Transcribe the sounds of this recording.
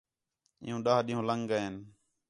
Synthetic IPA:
ɪ̰ːũːɗaːɦɗĩːɦũːləŋɡɡəen

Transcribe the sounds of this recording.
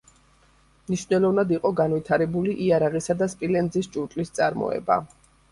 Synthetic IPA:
mniʃvnɛlˠɔvnad̪iqʼɔɡanvit̪ʰaɾɛbuliʔiaɾaʁisad̪aspʼilɛnd̪zist͡ʃʼuɾt̪ʼlist̪sʼaɾmɔ̰ɛ̰ba̰

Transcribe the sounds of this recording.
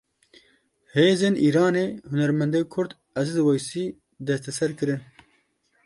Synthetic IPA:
heːzeːniːɾaːneːhunɛɾmɛnd̪eːkʰʊɾd̪ | ɛzɨd̪ɨwɛjsiː | d̪ɛst̪ɛsɛɾkɨɾɨn

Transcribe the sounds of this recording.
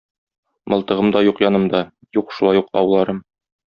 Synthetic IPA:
mɤ̆lˠt̪ɤ̆ʁɤmd̪ɑjuqjɒnɤ̆md̪ɑ | juqʃulˠɑjuqɒ̰wlˠɑɾɤm

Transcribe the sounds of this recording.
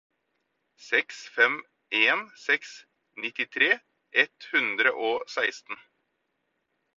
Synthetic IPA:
sɛksfɛm | eːnsɛks | nɪt̪ɪt̪ʰɾeː | ʔɛt̪hʉnd̪ɾəʔoːsæɪst̪n̩

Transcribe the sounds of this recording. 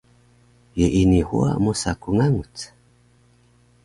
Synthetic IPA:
jeʔinihṵa̰musakuŋaŋut͡sḁ

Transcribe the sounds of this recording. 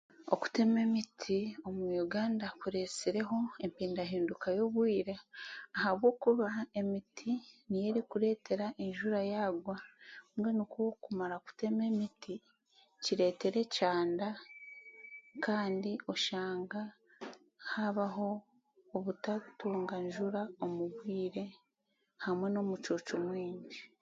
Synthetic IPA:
o̞̰ku̥te̞me̞mitʰio̞mujuɡaːndakuɾe̞siɾe̞ɦo̞e̞mpiːndaɦiːndukajo̞βwiːɾeahaβwo̞ːkuβae̞mitʰinije̞ɾikuɾe̞ːte̞ɾaʔeɲʒuɾajaːɡwamwenikuwokumaɾaoku̥te̞me̞miti | ciɾe̞ːte̞ɾe̞caːnda | kaːndiʔo̞ʃaːŋɡa | haβaɦo̞ː | βutatuːŋɡaɲʒuɾaomuβwiːɾe̞ | hamwe̞no̞ːmut͡ʃuːt͡ʃomwiːɲɟi

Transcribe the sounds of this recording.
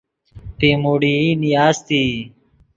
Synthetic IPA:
ʈeːmoːɽiːiːnijaːzt̪iː

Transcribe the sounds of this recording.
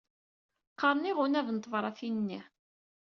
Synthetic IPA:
qːɑɾˤniʁunævnt̪ːˤvɾˤɑθinnːi

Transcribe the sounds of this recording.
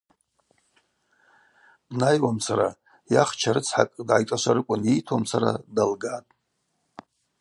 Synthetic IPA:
najwamsaɾa | jaχt͡ʃʰaɾɨt͡sʰħa̰kʼdʕajt͡ʃʷʼaʃʷaɾɨkʷʼʊnejtʰwamsaɾa̰dalɡatʼ

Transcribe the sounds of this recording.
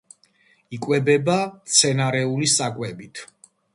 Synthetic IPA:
ikʼwɛbɛbat̪sʰɛnaɾɛulisakʼwɛbit̪ʰ

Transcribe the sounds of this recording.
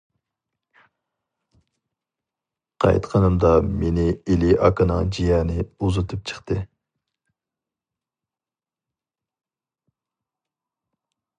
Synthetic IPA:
qʰɑ̰jt̪qʰɑnɨmd̪ɑmenɪelɪɑkɨnɨŋd͡ʒijɛːnɪuzɨt̪ʰɨp̚t͡ʃʰə̥χt̪ɨ

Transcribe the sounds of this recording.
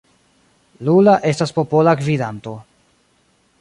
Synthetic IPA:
lulaʔe̞staspo̞po̞lakvidanto̞

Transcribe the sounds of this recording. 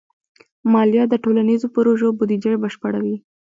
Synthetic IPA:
mɑljɑd̪əʈolanizopɾoʒobud̪id͡ʒəjbəʃpəɽawi

